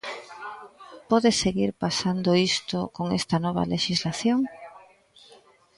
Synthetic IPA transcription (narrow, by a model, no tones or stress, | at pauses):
pɔðeseɣiɾpasand̪oist̪okoŋest̪ɐnɔβ̞ɐ̰leʃizlaθjoŋ